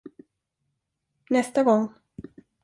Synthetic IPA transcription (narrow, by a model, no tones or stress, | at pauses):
nɛst̪aɡɔŋ